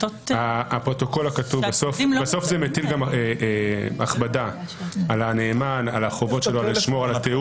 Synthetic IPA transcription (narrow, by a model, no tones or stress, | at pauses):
apʁo̞t̪o̞ko̞lakatuvbasofbaso̞fzemetilɡame | a̰χbada | alaneːmana̰laχo̞vo̞tʃe̞loaliʃmo̞ʁalat̪e